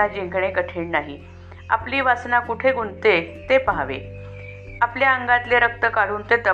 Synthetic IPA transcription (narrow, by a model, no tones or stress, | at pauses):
ad͡ʑẽŋɡɳekəʈʰiːɳnaɦḭ | a̰pliːʋasnakuʈʰeɡʱunt̪et̪epaɦaʋḛ | apljaəŋɡat̪leɾək̚t̪əkaɾuːnt̪et̪ə